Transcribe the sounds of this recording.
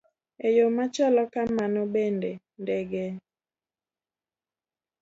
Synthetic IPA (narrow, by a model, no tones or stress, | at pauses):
ejomat͡ʃɔlɔkamanɔbendɛ | ndɛɡe